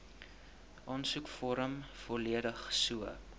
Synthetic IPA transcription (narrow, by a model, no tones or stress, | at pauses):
ʔɑːnsukfɔɾəmfɔliəɾəχsuə